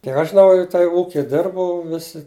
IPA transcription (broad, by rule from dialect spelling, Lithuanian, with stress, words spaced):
kʲiɛk ɐʃ ʒʲɪˈnɐʊ jɛʊ tɐɪ ˈuːkʲɪ ˈdʲɪrbɐʊ ˈʋʲɪsʲɪ